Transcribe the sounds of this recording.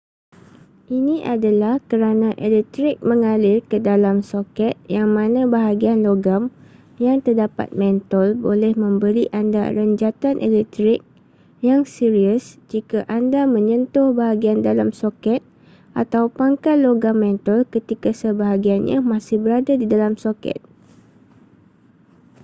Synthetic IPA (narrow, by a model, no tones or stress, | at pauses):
ʔinĩʔadalahkəɾanãʔelɛk̚t̪ɾɪk̚mə̃ŋalɪrkədalamsokɛt̪̚jaŋmãnãbaɦaɡianloɡam | jaŋt̪ərdapa̰t̪̚mɛ̃nt̪əlbolɛhmə̃mbəɾiʔanda̰ɾəɲd͡ʒat̪anʔḛlɛk̚t̪ɾɪk̚ | jaŋsiɾiəsd͡ʒikaʔandamə̃ɲə̃nt̪ʊhbaɦaɡiandalamsokɛt̪̚ | ʔat̪awpaŋkat̪loɡamːɛ̃nt̪ɔlkət̪ikasəbaɦaɡianɲa̰mãsɪhbəɾadadidalamsokɛ̰t̪̚